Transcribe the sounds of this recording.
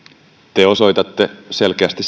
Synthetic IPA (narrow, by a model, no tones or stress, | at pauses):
t̪eo̞so̞it̪ɑt̪ːeselk̟eæst̪is